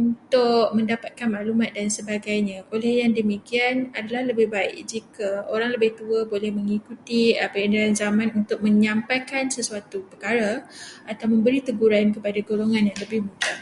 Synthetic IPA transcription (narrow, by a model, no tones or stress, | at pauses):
unt̪ʊʔmə̃ndapat̪̚kanmaʔlumat̪̚dansəbaɡajɲãʔolɛhjaŋdəmikianadalahləbɪhbaɪ̰k̚d͡ʒikaoɾaŋləbɪht̪uəbolɛhmə̃ŋikut̪iəpəəndaɾanzamãnunt̪ʊk̚mə̃ɲãmpajkansəsuat̪upərkaɾaat̪awmə̃mbəɾit̪əɡuɾankəpadaɡoloŋãnjaŋləbɪhmuɡa